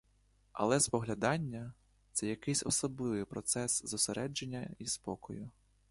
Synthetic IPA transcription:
ɐ̰lˠɛspɔɦlʲɐd̪ɑnʲːɐ | t̪sɛjɐkɪsʲɔsɔblˠɪʋɪpɾɔt̪sɛszʊseɾʔɛd͡ʒenʲːɐispɔkɔjʊ

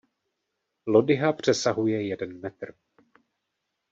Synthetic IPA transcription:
lo̞dɪɦapr̝̥ɛsaɦujɛjɛdɛnmɛt̪r̩

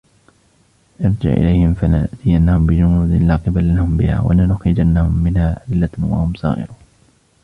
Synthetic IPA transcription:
nɑɾˤd͡ʒɪ̰ʕʔɪ̰lajhɪmfalaʔzɪjanːahʊmbɪd͡ʒʊmuːd̪laːqɪballahʊmbɪha̰ːwa̰lanʊxɾɪd͡ʒanːahʊmːɪnhaːʔad̪ɪlːawa̰hʊmsˤɑ̰ːʔɪ̰ɾuːn

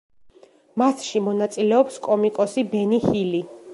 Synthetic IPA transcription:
masʃimɔnat̪sʼilɛɔpskʼɔmikʼɔsibɛnihili

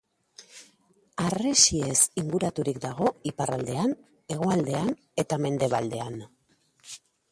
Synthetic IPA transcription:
aresiesiŋɡuɾat̪uɾikd̪aɣ̞o̞ipara̰ld̪e̞an | e̞ɣ̞o̞ald̪e̞an | e̞t̪ame̞nd̪e̞βald̪e̞an

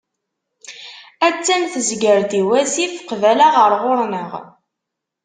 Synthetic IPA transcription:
æt͡sːæmθəzɡəɾd̪iwæsifqvælaʁəɾˤʁʊɾˤnəʁ

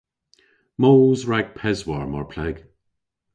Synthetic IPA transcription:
moːzɹaɡ̥̚pʰɛzwaɹmaɹpʰlɛɡ̥

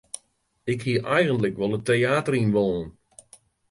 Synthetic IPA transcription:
ɪkhiəʔɛjɣəntləkʋɔlˠəteaːtərinʋoːən

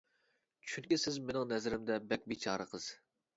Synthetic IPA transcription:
t͡ʃʰyŋkʲisɪzmɪnɪŋnɛzɾɪmd̪ɛbɛk̚ʲbit͡ʃʰɑːɾəqʰəz̥

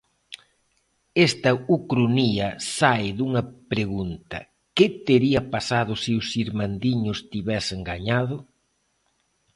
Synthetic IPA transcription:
ɛst̪ɐukɾuniɐsaɪðuŋɐpɾeɣunt̪ɐ̰ | kɪt̪eɾiɐpasaðʊseʊsiɾmand̪iɲʊst̪iβɛseŋɡaɲað̞ʊ

